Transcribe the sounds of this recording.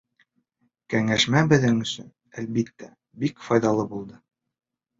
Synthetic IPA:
kæŋæʃmæbɘ̆ðɘŋɵ̆sɵ̰n | ælbit̪ːæ | bikfɑjðɑlˠɤbulˠd̪ɤ

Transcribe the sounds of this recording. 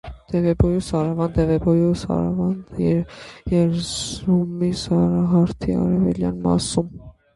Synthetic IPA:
d̪̥ɛvɛbɔjusɑɾɑvɑnd̪ɛvɛbɔjusɑ̰ɾɑ̰vɑnd̪jɛjɛɾzumisɑɾɑɦɑɾt̪ʰiɑ̰ɾɛvɛljɑ̰nmɑ̰sum

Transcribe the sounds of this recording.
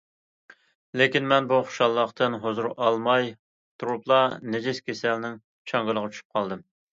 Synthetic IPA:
lekʲinmɛnbuχʊ̥ʃɑlˠːəqt̪ʰɨnɦozuɾʔɑlˠmɑj | t̪ʰuɾuplˠɑned͡ʒiskʲesɛlnɪŋ | t͡ʃʰɑŋɡɨlˠəʁət͡ʃʰy̥ʃy̥p̚qʰɑlˠd̪ɨm

